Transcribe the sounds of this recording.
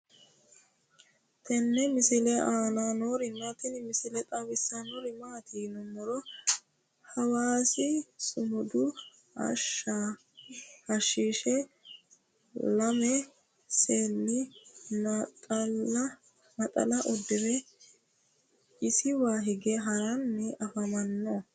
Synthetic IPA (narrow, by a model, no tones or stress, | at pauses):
t̪ʰɛnːɛmɪsɪlɛʔaːnanoɾɪnːɐt̪ɛnɪmɪsɪlɛt̪ʼɐwɪsːɐnɔɾɪmaːt̪iːnʊmːɔɾɔ | hɐwaːsɪsʊmʊd̪ʊ | ɐ̰ʃːa | hɐʃːiːʃɛ | lɐmɛ | seːnːɪnɐt̪ʼɐ | mɐt̪ʼɐ̰lɐʔɔd̪ːɪɾɛ | ɪsɪwaːɦɪɡɛɦɐɾɐnːɛʔɐfɐmɐnːɔ